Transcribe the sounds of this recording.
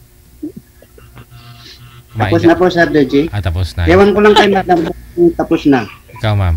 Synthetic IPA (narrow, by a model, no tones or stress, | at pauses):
apusnapɔsardəd͡ʒisjewankulaŋkaimadambuŋt̪apusnaaa